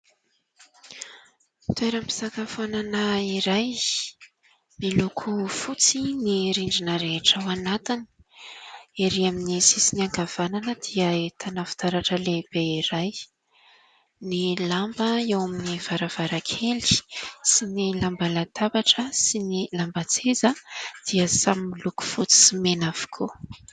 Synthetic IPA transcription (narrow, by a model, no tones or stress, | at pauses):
t̪ueɾəmpi̥zakafananaiɾaj | nilukʰufut͡siniɾiɳɖ͡ʐinəɾeʈ͡ʂəwanat̪ini̥ | eɾiaminisisiniaŋɡav̥ananəd̪̥iəet̪ʰanafi̥t̪aɾaʈ͡ʂəleb̥eiɾaj | nilambəewaminiv̥aɾav̥aɾakʰeli̥sinilambalat̪abaʈ͡ʂəsinilambat͡sezəd̪̥iəsaminiluku̥fut͡si̥simenav̥u̥kʰu